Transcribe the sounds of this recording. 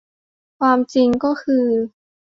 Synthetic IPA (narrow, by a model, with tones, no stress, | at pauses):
kʰwaː˧mt͡ɕi˧ŋkɔː˥˩kʰɯː˧